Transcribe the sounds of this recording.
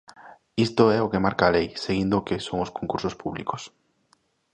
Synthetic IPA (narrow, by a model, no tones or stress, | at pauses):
ist̪oɛokemaɾkaːlejseɣind̪okesoŋoskoŋkuɾsospuβlḭko̥s